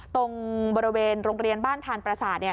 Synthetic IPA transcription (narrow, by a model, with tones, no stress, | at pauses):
t̪o˧ŋbɔː˧ɾi˧weː˧nɾoː˧ŋɾi˧ənbaː˥˩nt̪ʰaː˧npɾa˧saː˨˩t̪̚ni˥˩